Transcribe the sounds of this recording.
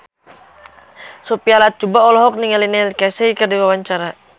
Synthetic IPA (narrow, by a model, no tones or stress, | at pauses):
sopialat̪̚t͡ʃubaɔlɔɦɔk̚niŋalinɛlkɛsɛikərdiwawaɲt͡ʃaɾa